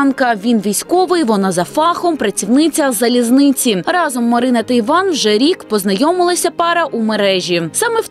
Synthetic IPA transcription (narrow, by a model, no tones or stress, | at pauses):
nkɐʋʲinʋʲijsʲkɔʋɪjʋɔnazɐfɑxɔmpɾɐt͡sʲiwnɪt͡sʲɐzɐlʲiznɪt͡sʲirɑzɔmːɔɾɪnɐt̪ɐjʋɑnwʒɛɾʲikpɔznɐjɔmɪlˠɐsʲɐpɑɾɐʔumeɾɛʒʲisɑmɛw